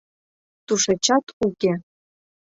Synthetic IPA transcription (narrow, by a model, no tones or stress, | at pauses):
t̪uʃet͡ɕɑt̪ukʲe